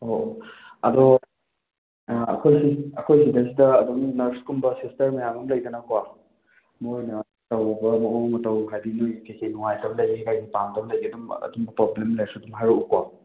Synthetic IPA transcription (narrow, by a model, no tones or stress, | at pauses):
ho | ɐdɔ | ɐ̰kʰojsiɐkʰojsidɐs̬idɐːdumnɐɾskumbɐsistɐɾmɐjamɐmlɐjdɐnɐkwa | mojnɐ | tɐwɐbɐmɐowmɐtɐwɦajdinojkejkʰejnuŋajtʰɐbɐlɐjɡekajɡipamtʰɐbɐlɐjɡidumɐ̰dumbɐpɾoblemlajsudumɦaɾuukwa